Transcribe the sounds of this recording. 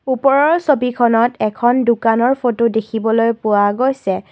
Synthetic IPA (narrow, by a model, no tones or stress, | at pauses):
upɔɹɔɹsobikʰɔnɔtɛkʰɔndukanɔɹpʰotodekʰibɔlojpʊwaɡojsɛ